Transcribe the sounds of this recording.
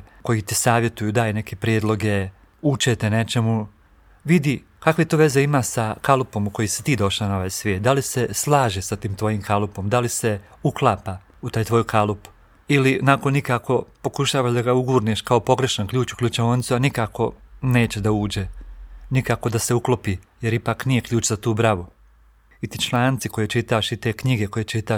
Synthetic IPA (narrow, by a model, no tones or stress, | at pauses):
ko̞jit̪isaːʋje̞t̪ujud̪aːjne̞kʰepɾjeːd̪lˠo̞ɡe̞ | ut͡ʃet̪ene̞t͡ʃe̞mu | ʋid̪i | kakʋet̪oːʋe̞ze̞imaːsakalupo̞muko̞jisi̥t̪iːd̪o̞ʃanaoʋaːjsʋjeːt̪̚d̪aliseslˠaːʒesat̪iːmt̪ʋo̞jiːmkʰalupo̞md̪alise | uklˠaːpa | ut̪aːjt̪ʋo̞jukʰalupu̥ | ilinakonikaːko̞po̞kuʃaːʋaːʒd̪aɡauɡuːɾniʃkao̞po̞ɡɾe̞ʃankʎʲuːt͡ɕu̥kʎʲut͡ʃeʋonit̪suanikaːko̞ne̞ːt͡ɕe̞d̪auːd͡ʑenikaːko̞d̪ase̞uklˠopiːje̞ɾipaːknije̞kʎʲuːt͡ɕzat̪uːbɾaʋu | it̪iːt͡ʃlˠaːnt̪siko̞jet͡ʃit̪aʃit̪e̞ːkɲiɡe̞ko̞jet͡ʃit̪aːʃ